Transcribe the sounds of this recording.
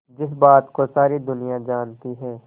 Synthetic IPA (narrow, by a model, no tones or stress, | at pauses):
d͡ʒɪsbaːt̪kosaːɾid̪ʊnijad͡ʒaːnt̪iɦɛ̃ː